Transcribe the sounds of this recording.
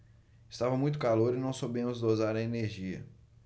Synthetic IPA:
ɪst̪avɐmũj̃t̪̬ʊ̥kaloɾɪnɐ̃w̃sobẽmʊzd̪ozaɾɐeneɾʒiɐ̰

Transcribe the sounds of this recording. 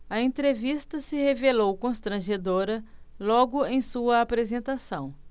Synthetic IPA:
ɐẽnt̪ɾevist̪ɐsɪhevelowkõst̪ɾɐ̃ʒed̪oɾɐlɔɡʊẽj̃suɐapɾezẽnt̪asɐ̃w̃

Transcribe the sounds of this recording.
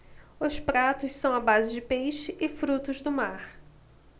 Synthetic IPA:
ʊspɾat̪ʊssɐ̃w̃abazɪd͡ʒɪpejʃɪʔɪfɾut̪ʊzd̪ʊmaɾ

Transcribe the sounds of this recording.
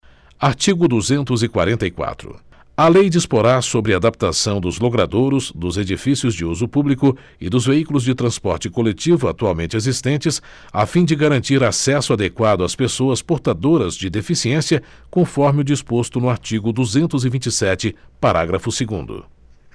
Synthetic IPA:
aɾt͡ʃiɡʊd̪uzẽnt̪ʊzɪkwa̰ɾẽnt̪ɐikwa̰t̪ɾʊ̰ | ɐlejd͡ʒispoɾaɾsobɾɪad̪ap̚t̪asɐ̃w̃d̪ʊzlokɾad̪oɾʊzd̪ʊzed͡ʒifisiʊzd͡ʒɪuzʊpublikʊ | ɪd̪ʊzveikulʊzd͡ʒɪt̪ɾɐ̃spɔ̰ɾt͡ʃɪkolet͡ʃivʊat̪uawmẽnt͡ʃɪezist̪ẽnt͡ʃɪs | afĩd͡ʒɪɡaɾɐ̃nt͡ʃiɾasɛsʊad̪ekwad̪ʊaspesoɐspoɾt̪ad̪oɾɐzd͡ʒɪd̪efisiẽsiɐ | kõfɔɾmɪʊd͡ʒispost̪ʊnʊaɾt͡ʃiɡʊd̪uzẽnt̪ʊzɪvĩt͡ʃɪsɛt͡ʃɪpaɾʔaɡɾɐfʊsɪɡṵ̃nd̪ʊ̰

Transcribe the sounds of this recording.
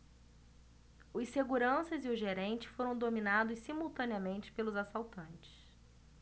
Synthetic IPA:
ʊseɡuɾɐ̃sɐzɪʊʒeɾẽnt͡ʃɪ̥foɾɐ̃w̃d̪ominad̪ʊssimuwt̪ɐ̃niɐmẽnt͡ʃɪ̥pelʊzasawt̪ɐ̃nt͡ʃɪ̥s

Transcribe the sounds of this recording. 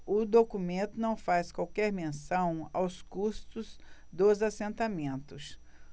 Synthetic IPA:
ʊd̪okumẽnt̪ʊnɐ̃w̃faskwawkɛɾmẽsɐ̃w̃awskust̪ʊz | d̪ozasẽnt̪amẽnt̪ʊs

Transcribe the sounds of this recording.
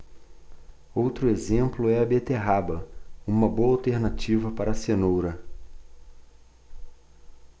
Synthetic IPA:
owt̪ɾʊezẽmplʊɛɐbet̪eɦabɐũmɐboɐawt̪eɾnat͡ʃivɐpaɾɐsenowɾɐ

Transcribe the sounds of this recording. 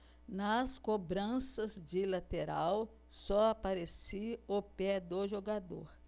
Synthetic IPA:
nɐskobɾɐ̃sɐzd͡ʒɪlat̪eɾaw | sɔapaɾesiopɛd̪oʒoɡad̪o̰ɾ

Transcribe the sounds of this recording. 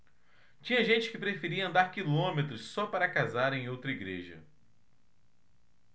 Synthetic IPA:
t͡ʃĩɲɐʒẽnt͡ʃɪ̥kɪpɾefeɾiɐɐ̃nd̪aɾkilõmet̪ɾʊssɔpaɾɐkazaɾẽj̃owt̪ɾɐiɡɾeʒɐ̰

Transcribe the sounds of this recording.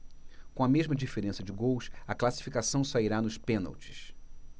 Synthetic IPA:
kõɐmeʒmɐd͡ʒifeɾẽsɐd͡ʒɪɡowsɐklasi̥fikasɐ̃w̃saiɾanʊspẽna̰wt͡ʃɪ̥s

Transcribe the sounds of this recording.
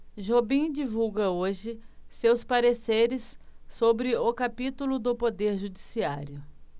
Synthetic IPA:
ʒobĩd͡ʒivuwɡɐoʒɪsewspaɾeseɾɪsːobɾɪʊkapit̪ulʊd̪ʊpod̪eɾʒud͡ʒisia̰ɾjʊ

